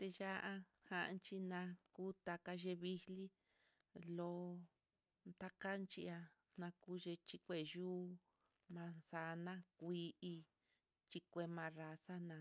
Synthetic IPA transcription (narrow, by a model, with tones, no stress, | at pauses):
t̪e˧ja˦ʔa˦ | hã˧ʔnt͡ʃi˧nã˧ku˦t̪a˧ka˧ʒe˧βi˧hli˦ | lo˧ | nt̪a˦ka˦nt͡ʃi˧a˧ | nã˧ku˦ʒe˧t͡ʃi˧kʷe˧˨ʒuː˦ | mã˧sa˧˦nã˦kʷi˧˦ʔi˧ | t͡ʃi˧kʷe˧mã˧ra˧sa˦nã˧